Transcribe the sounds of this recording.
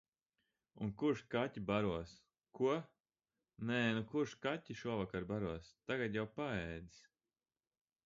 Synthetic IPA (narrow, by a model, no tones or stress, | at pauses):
unkuɾʃkatʲibaɾuɔs | kuɔ | nɛːnukuɾʃkatʲːiʃuɔvakaɾbaɾuɔst̪aɡat̪jawpaɛːd̪i̥s